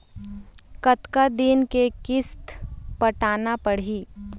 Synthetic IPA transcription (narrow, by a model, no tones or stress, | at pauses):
kət̪kad̪inkekɪst̪pəʈaːnapəɽ̤iː